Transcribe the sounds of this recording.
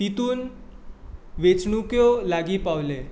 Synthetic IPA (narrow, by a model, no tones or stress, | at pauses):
t̪it̪uːn | ʋet͡sɳukjolaɡipawle